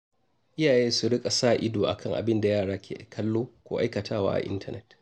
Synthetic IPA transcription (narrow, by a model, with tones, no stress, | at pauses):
ʔɪ˦jaː˨jeː˦su˨ɽɪ˦kʼa˨saː˦˨ʔɪ˦doː˨ʔa̰˨kʰɐ˦ŋʔa̰˨bɪ˦nda˨jaː˦˨ɽaː˦kʲʰḛː˨kʰɐ˦lːoː˦kʷoː˦ʔa˦jkɐ˨tʰaː˦wa̰ː˦ʔa̰˨ʔɪ̰˦ntʰɐ˨nɛ̰˦t